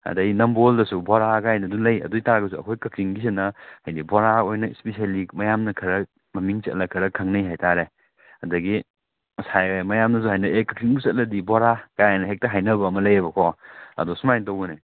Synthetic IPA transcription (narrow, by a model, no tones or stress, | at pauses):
ɐ̰dɐɡinɐmboldɐsuboɾaɡaajnɐdulɐjɐ̰duitaɾɐɡɐs̬uɐ̰kʰojkɐkɾiŋbis̬enɐhɐjniboɾaojnɐispesalimɐjamnɐkʰɐɾɐk̚ | mɐmiŋt͡ʃɐ̰tlɐkʰɐɾɐkʰɐŋnɐjɦajtaɾe | ɐdɐɡi | sajmɐjamnɐs̬uɦajnɐekɐkʰɾiŋbusɐt̚lɐdiboɾakajajnɐɦek̚tɐɦajnɐbɐːmɐlɐjɐbɐkʰɔɐ̰dɔsumajntɐwbɐne